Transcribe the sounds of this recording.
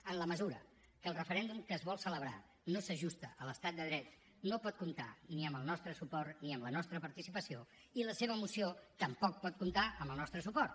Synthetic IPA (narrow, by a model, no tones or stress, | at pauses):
ənləməzuɾə̰ | kəːlˠrəfəɾɛnd̪umkəːzβɔlˠsələβ̞ɾa̰ | nosəʒust̪əʔələst̪at̪̚d̪əðɾɛt̪ | nopɔt̪̚kumt̪a̰niəmbəlˠnɔst̪ɾəsupɔrt̪niəmlənɔst̪ɾəpəɾt̪isipəsio | iləseβəːmusiot̪əmpɔk̚pɔt̪̚kumt̪aʔəmbəlˠnɔst̪ɾəsupɔrt̪